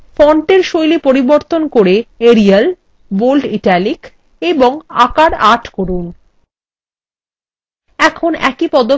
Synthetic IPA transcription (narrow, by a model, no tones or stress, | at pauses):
fɔɳʈeɾʃojlipoɾiboɾt̪onkoɾeeɾial | bolɖiʈalik | eboŋa̰kaɾaʈʰkoɾun | ɛkʰonɛ̰kipɔd̪o